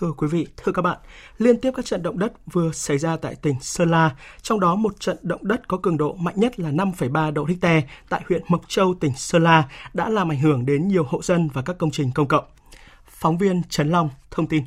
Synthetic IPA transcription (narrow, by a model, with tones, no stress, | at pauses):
t̪ʰɨ˧əkwi˨˦vḭ˧˨t̪ʰɨ˧əkaː˦˥ɓa̰ː˧˨n | li˧ənt̪i˦˥əp̚kaː˦˥k̚t͡ɕə̰˧˨nɗə̰˧˨ŋ͡mɗə˦˥t̚vɨ˨˩əsa˧˩jzaː˧t̪a̰ː˧˨jt̪ï˨˩ŋ̟səː˧laː˧t͡ɕɔ˧wŋ͡mɗɔ˨˦mo˨˩t̚t͡ɕə̰˧˨nɗə̰˧˨wŋ͡mɗə˦˥t̚kɔ˨˦kɨ˨˩əŋɗo̰˧˨ma̰˧˨jŋ̟ɲə˦˥t̚laː˨˩na˧mfə˧˩jɓaː˧ɗo̰˧˨t̪ʰï˦˥k̚t̪ɛ˧t̪a̰ː˧˨jhwḭ˧˨ənmə˨˩k̚t͡ɕə˧wt̪ï˨˩ŋ̟səː˧laː˧ɗa̰ː˧˥laː˨˩mʔa˧˩ŋ̟hɨ˧˩əŋɗe˨˦nɲi˨˩əwho̰˧˨zə˧nvaː˨˩kaː˦˥kːə˧wŋ͡mt͡ɕï˨˩ŋ̟kə˧wŋ͡mkə̰˧˨wŋ͡m | fɔ˨˦wŋ͡mvi˧ənt͡ɕə˨˦nla˧wŋ͡mt̪ʰə˧wŋ͡mt̪i˧n